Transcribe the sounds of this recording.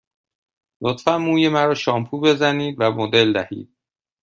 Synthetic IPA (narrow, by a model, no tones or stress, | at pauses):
lot̪fænmuːjemæɾɒːʃɒːmpʰuːbe̞zæniːd̪væmod̪e̞ld̪æhḭːd̪̥̚